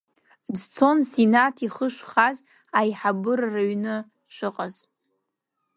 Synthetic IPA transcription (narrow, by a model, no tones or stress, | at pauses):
dt͡sʰo̞nsenatʰiχəʂχaz | ajħabɨrːaɥnɨ | ʂʷʰɨqʼaz̥